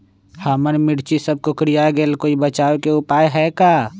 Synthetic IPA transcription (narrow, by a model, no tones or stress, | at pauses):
haːmənmɪɽt͡ʃisəb̚kokɾijaɡeːlkoːibət͡ʃaːwekeʊpaːjɦɛkaː